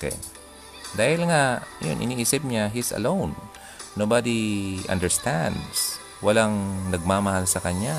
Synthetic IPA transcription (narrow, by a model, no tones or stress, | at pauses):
kɛ̰ | d̪aːhɪlŋajʊ̰nʔɪ̰niʔiːsɪp̚ɲaɦisɐ̰lown | nːobad̪iʔɐ̰nd̪ɛɹst̪and̪s | wɐlaŋnɐɡ̚maːmɐhalsɐkɐɲa